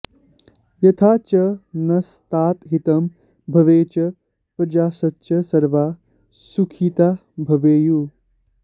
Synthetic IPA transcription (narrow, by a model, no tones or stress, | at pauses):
jɐt̪ʰaːt͡ʃɐnɐst̪aːt̪ɦit̪ɐm | bʱɐʋeːt͡ʃɐ | pɐd͡ʒaːsɐtːʃɐsɐɾʋaː | sukʰit̪a | bʱɐʋeːju